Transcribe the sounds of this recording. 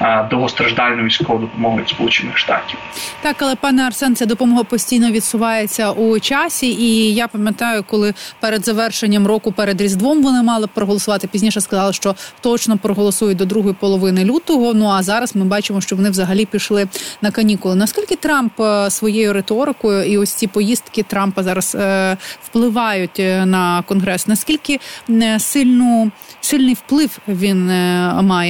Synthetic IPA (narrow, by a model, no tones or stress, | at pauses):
d̪ɔɦɔst̪ɾɐʒd̪ɑlʲnɔʋʲijsʲkɔʋɔd̪ɔpɔmɔɦʊjt̪ʲspɔlˠut͡ʃɪnːɪxʃt̪ɑ̰tʲiwt̪ɑkɐlˠɛpɑnɛɐrsɛnt͡sʲad̪ɔpɔmɔɦɐpɔsʲtʲijnɔʋʲid̪sʊʋɑjet͡sʲːɐʔut͡ʃɑsʲiijapɐmʲjɐt̪ɑjʊkɔlˠɪpɛɾed̪zɐʋɛrʃenʲːɐmrɔkʊpɛɾed̪ɾʲizd̪ʋɔmʋɔnɪmɑlˠɪpɾɔɦɔlˠɔsʊʋɑt̪ɪpʲizʲnʲiʃɛskɐzɑlˠɐʃt͡ʃɔt̪ɔt͡ʃnɔpɾɔɦɔlˠɔsujʊt̚ʲd̪ɔd̪ɾuɦɔjipɔlˠɔʋɪnɪlʲut̪ɔɦɔnuɐzɑɾɐzmɪbɑt͡ʃɪmɔʃt͡ʃɔʋɔnɪʋzɐɦɐlʲipʲiʃlˠɪnɐkɐnʲikʊlˠɪnɐsʲkʲilʲkɪt̪ɾɑmpsʋɔjejʊɾet̪ɔɾɪkɔjʊiɔsʲt͡sʲipɔjist̪kɪt̪ɾɑmpɐzɑɾɐswplˠɪʋɑjʊtʲnɐkɔnɦɾɛsnɐskʲilʲkɪsɪlʲnʊsɪlʲnɪjwplˠɪwʋʲinmɑjɛ